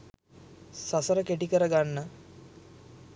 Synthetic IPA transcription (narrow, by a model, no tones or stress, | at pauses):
sasəɾəkeʈikəɾəɡanːə